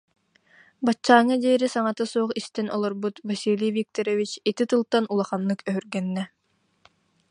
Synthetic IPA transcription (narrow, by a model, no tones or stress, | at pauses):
bat͡ɕːaːŋad̪iːɾisaŋat̪asuɔχist̪ɛnʔɔlˠɔɾbut̪vasilʲivik̚t̪ɔɾɔvit͡ɕit̪it̪ɯlˠt̪anulˠaχanːɯkœɦyɾɡɛnːɛ